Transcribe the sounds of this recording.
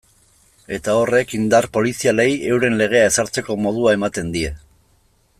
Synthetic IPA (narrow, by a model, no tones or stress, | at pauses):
e̞t̪ao̞re̞kind̪arpo̞lisiale̞je̞wɾe̞nle̞ɣ̞e̞ae̞saɾt͡se̞ko̞mo̞ð̞uae̞mat̪e̞nd̪ie̞